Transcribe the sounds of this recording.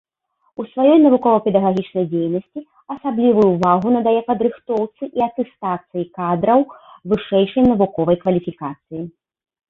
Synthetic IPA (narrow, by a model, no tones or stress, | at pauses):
usvajɔjnɐvukɔvɐpʲɛd̪ɐɣaɣʲit͡ʂnɐjd͡zʲejnɐsʲt͡sʲi | ɐsablʲivujuvaɣunɐd̪ajɛpɐd̪ɾɨxt̪ɔwt̪sɨʔiɐt̪ɛst̪at̪sɨjikad̪ɾɐwvɨʂɛjʂɐjnɐvukɔvɐjkvɐlʲifʲikat̪sɨji